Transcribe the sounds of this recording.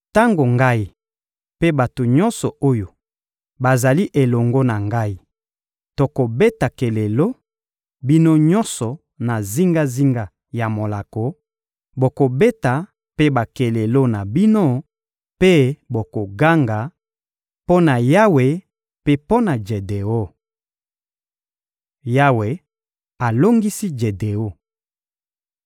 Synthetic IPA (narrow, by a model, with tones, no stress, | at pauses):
ta˦ŋɡo˨ŋɡa˦i˦ | pe˦ba˨to˨ɲɔ˦nsɔ˨o˦jo˨ | ba˨za˨li˦ʔe˨lɔ˨ŋɡo˦na˨ŋɡa˦i˦ | to˨ko˨be˦ta˨ke˨le˨lo˦ | bi˦no˦ɲɔ˦nsɔ˨ | na˨zi˦ŋɡa˦zi˦ŋɡa˦ | ja˨mo˨la˨ko˨ | bo˨ko˨be˦ta˨ | pe˦ba˨ke˨le˨lo˦na˨bi˦no˦ | pe˦bo˨ko˨ɡa˦ŋɡa˨ | po˦na˨ja˦we˨ | pe˦po˦na˨d͡ʒe˨de˨o˦ | ja˦we˨ | a˨lo˦ŋɡi˦si˦d͡ʒe˨de˨o˦